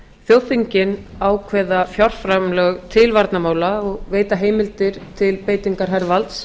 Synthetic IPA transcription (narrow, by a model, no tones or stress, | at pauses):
θjoːwθiɲcɪnaːwkʰvɛðafjar̥fɾamlœɣt̪ʰɪlvaɾt̪namaːwlaɔɣveːjt̪aɦeːjmɪlt̪ɪɾ̥t̪ʰɪlpeːjt̪iŋkaɾ̥ɦɛɾvalt̪s